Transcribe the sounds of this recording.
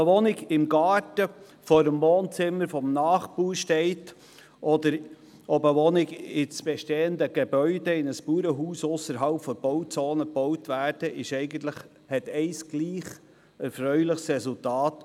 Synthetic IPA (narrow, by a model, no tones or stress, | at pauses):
əʋɔnɪɡɪmɡɑːɾtə | fɔːɾəmvoːnt͡sɪmːəɾfɔmnɑːχpuːɾʃtɛɪt | ʔɔd̪əɾ | ɔbəʋɔnɪɡɪsb̥ɛʃteːənd̪əɡ̥ebœʏdɛɪnəspuːɾəɦuːsʊsəɾɦɑlpfɔb̥ɔʊt͡soːnəpɔwtʋæːrd̥əʔɪʃɛɪɡənt̪ləχ | hɛtɛɪsɡ̥liːχ | ɛɾfɾœʏlɪχsɾɛsultɑːt